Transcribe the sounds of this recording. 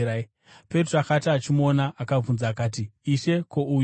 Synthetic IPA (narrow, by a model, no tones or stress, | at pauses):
a | pe̞t̬roakataːt͡ʃimo̞naʔakab͡vunzaːkaːt̬iiʃe̞ko̞u